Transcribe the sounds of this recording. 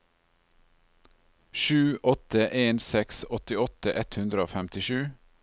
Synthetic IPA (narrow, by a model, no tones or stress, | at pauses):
ʃʉːʔɔt̪əʔeːnsɛksɔt̪ɪɔt̪əʔɛt̪hʉnd̪ɾəoːfæmt̪ɪʃʉː